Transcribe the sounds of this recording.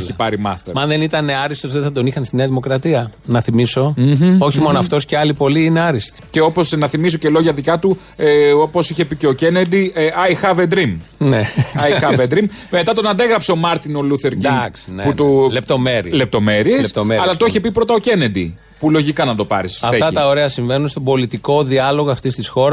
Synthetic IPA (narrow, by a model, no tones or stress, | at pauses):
lipɐɾimɐ̰st̪eɾmɐnðe̞nit̪ɐne̞ɐɾist̪ozðeθɐd̪o̞nixɐnst̪ineɐðimo̞kɾɐt̪iɐnɐθimiso̞o̞çimo̞noɐft̪o̞sceɐlipo̞liine̞ɐɾist̪i̥ceo̞po̞snɐθimis̬o̞celo̞ʝɐðicɐt̪u | eopo̞siçe̞pice̞oce̞ned̪iɐjxɐved̪ɾimneɐjxɐvend̪ɾimme̞t̪ɐt̪o̞nɐnd̪eɣɾɐpse̞o̞mɐɾt̪inoluθe̞ɾciksneput̪olep̚t̪o̞meɾile̞p̚t̪o̞me̞ɾieest̪omeɐlɐt̪oiçepipɾo̞t̪ɐo̞ce̞ne̞d̪ḭ | pulo̞ʝikɐnɐd̪o̞pɐ̰ɾisɐfet̪ɐt̪ɐoɾe̞ɐsiɱvenunst̪o̞bo̞lit̪iko̞ðiɐlo̞ɣoɐft̪ist̪isxo̞ɾɐ